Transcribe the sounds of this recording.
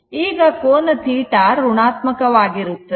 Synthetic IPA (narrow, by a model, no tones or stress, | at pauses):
iːɡɐkoːnɐt̪ʰiːʈaːɾuɳaːt̪mɐkɐʋaːɡiɾut̪ːɐ